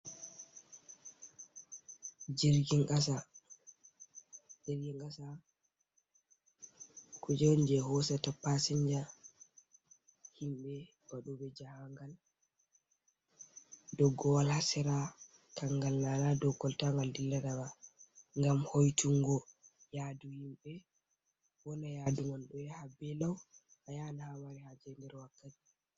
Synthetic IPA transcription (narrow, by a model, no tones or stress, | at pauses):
d͡ʒiɾɡiŋɡas̬a | d͡ʒeɾɡiŋɡasa | kʰud͡ʒɛwnd͡ʒɛhɔsatapːasiɲd͡ʒa | himɓɛ | baɗubɛd͡ʒahaŋɡal | dɔɡːɔwalhasɛɾa | tʰaŋɡalnanadɔɡːɔltaŋɡaldilːaɾabaŋɡamhojtʰuŋɡɔ | jaduhimɓɛ | wɔnajaduŋɔnɗɔjɛhabɛlaw | hajanahamaɾihad͡ʒɛndɛɾwakːati̥